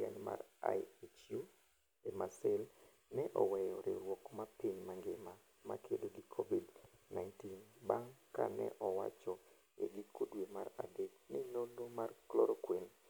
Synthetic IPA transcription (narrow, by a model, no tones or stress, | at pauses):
a̰ɲma̰ra̰jet͡ʃju | emasɛl | nɛʔɔwɛjɔɾɪ̰wɔkmapiɲmaŋɡɪma | ma̰kʰedoɡikʰɔbidnajntinbaŋka̰nɛ̰ʔɔwa̰t͡ʃɔ | ḛɡikʰodwemara̰deknɪlolomarklɔɾokwen